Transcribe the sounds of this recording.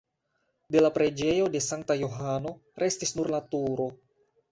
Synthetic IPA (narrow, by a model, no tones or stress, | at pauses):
delapɾed͡ʒejodesaŋt̪ajoɦano | rʔest̪isnurlat̪uɾo